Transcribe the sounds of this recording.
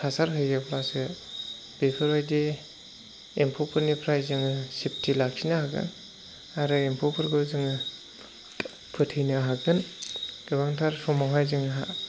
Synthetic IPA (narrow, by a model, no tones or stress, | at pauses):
pʰasaɾɦɯjɡapʰlasɡɯ | b̥epʰɯɾajde | empʰopʰɯɾnipʰɾajzɯŋɯsip̚tʰilaksʰinahaɡɯ̰n | aɾɯempʰopʰɯɾɡɯzɯŋɯ | pʰɯtʰɯjnaɦaɡɯnɡ̥ɯβaŋtʰaɾsɔmaɦajzɯŋɦa̰